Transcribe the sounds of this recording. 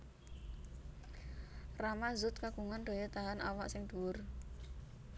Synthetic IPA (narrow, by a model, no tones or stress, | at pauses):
ramazʊt̪̚kaɡ̥uŋanɖ̪̥o̤jɔt̪aɦanawa̰ʔsɪŋd̪̥uwʊr